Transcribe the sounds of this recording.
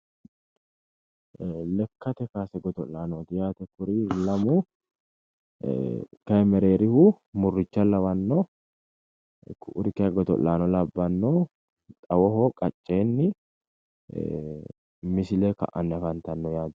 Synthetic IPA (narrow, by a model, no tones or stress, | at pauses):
lɛkʰːɐt̪ɛkaːsɛɡɔt̪ɔlaːnɔːt̪ɪjaːt̪ɛkʊɾiːlɐmʊ | kɐjɛmɛɾeːɾɪhu | mʊrːɪt͡ʃːɐlɐwɐnːɔ | kʰʊʔʊɾɪkɐɡɔt̪ɔ̰lːaːnɔlɐbːɐnːɔ | t̪ʼɐwɔɦɔkʼɐt͡ʃʼːeːnːɪ | mɪsɪleːkɐ̰ʔɐ̰nːɛfɐnt̪ɐnːɔjaːd̪